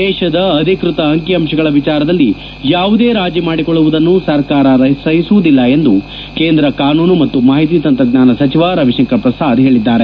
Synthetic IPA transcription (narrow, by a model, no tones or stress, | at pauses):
d̪ɛːʃɐd̪ɐɐd̪ʱikɾut̪ɐːŋkjɐmʃɐɡɐɭɐʋit͡ʃaːɾɐd̪ɐlːi | jaːʋud̪e̞ːɾaːd͡ʒjimaːɽikɔɭːuʋud̪ɐnːusɐɾkaːɾɐɾɐsɐɦisuʋud̪ilːɐe̞nd̪u | keːnd̪ɾɐkaːnuːnumɐt̪ːumaːɦit̪̬iːt̪ɐnt̪ɾɐɡɲaːnɐsɐt͡ʃiʋaːɾɐʋiʃɐŋkɐɾpɾɐsaːd̪ɦe̞ːɭid̪ːaːɾe